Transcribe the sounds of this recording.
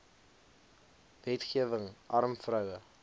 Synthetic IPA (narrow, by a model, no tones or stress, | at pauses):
vɛtχiəvəŋʔɐrmfrœwə